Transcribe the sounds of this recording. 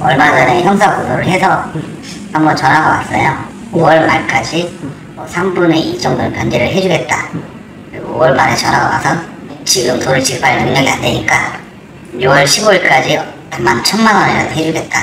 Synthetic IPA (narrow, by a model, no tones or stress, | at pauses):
ʌɭmad͡ʑʌne̞çjʌmsʰaɡodoɾɯɭɦe̞sʰʌ | hambʌnt͡ɕʌnɦaɡʌkwas͈ʌjo | owʌɭmaɭk͈ad͡ʑi | mʌsʰambune̞iɭt͡ɕ͈ʌŋdoɯpjʌnd͡ʑe̞ɾɯɭɦe̞d͡ʑuɡe̞t̚t͈a | kɯɾiɡoowʌɭmaɾet͡ɕʌnɦaɡʌɡasʰʌ | t͡ɕiɡɯmtoɾɯɭt͡ɕikp͈anɯŋɲʌɡia̰nde̞ɲik͈a | jowʌɭɕʰiboiɭk͈ad͡ʑitamːant͡ɕʰʌnmanwʌneɾa̰dʰoɦe̞d͡ʑuɡe̞t̚t͈a